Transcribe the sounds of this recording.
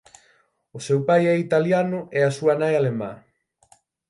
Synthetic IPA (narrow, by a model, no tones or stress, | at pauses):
ʊsewpajɛit̪aljanʊʔɛasuanajalemã̰